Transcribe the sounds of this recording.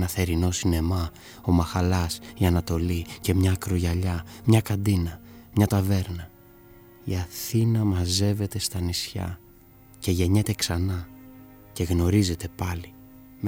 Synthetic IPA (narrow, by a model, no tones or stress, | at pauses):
nɐθe̞ɾino̞sine̞mɐ | o̞mɐxɐlɐsiɐnɐt̪o̞lice̞mɲɐːkɾoʝɐʎɐmɲɐkɐnd̪inɐmɲɐt̪ɐve̞ɾnɐ | iɐθinɐmɐze̞ve̞t̪e̞st̪ɐnisçɐ̰ | ce̞ʝe̞ɲe̞t̪e̞ksɐnɐ | ce̞ɣno̞ɾize̞t̪e̞pɐli